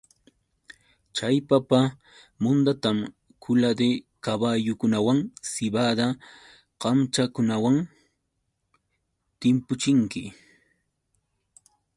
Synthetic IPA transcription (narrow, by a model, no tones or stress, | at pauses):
t͡ʃajpapa | mʊnd̪at̪am | kʰʊlad̪e | kaβajʊkʊnawaŋsɪbad̪a | qɑmt͡ʃakʊnawaŋ | t̪ɪmpʊt͡ʃɪŋkɪ